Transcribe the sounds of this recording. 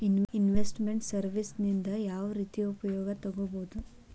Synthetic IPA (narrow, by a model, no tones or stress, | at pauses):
ninʋesʈmeɳʈsɐɾʋisnind̪ɐjaːʋɐɾiːt̪ijupɐjɔːɡɐt̪ɐɡoboud̪u